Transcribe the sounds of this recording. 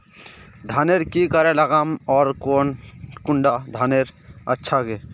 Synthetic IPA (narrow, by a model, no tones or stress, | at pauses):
d̪ʱaːneɾkikəɾeləɡamɔːɾkoːnkʊɳɖad̪ʱaːneɾətːʃʰaɡe